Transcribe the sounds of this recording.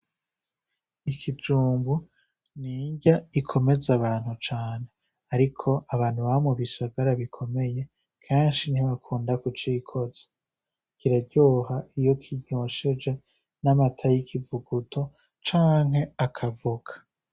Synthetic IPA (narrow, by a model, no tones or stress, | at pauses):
ikʰid͡ʒuːmbu | niːɲɟaikʰo̞me̞zaβaːn̥hut͡ʃaːne̞ | aɾikʰo̞ʔaβaːn̥huβamuβisaɡaɾaβikʰo̞me̞je̞ | kʰaːnʃiniβakʰuːndakut͡ʃiːkʰo̞z̥ḁ | kiɾaɟoːhaʔijo̞kʰiɟoːʃed͡ʒe̞ | namatʰajikʰivuɡutʰo̞ | t͡ʃaːŋɦe̞akʰavuɡ̥ḁ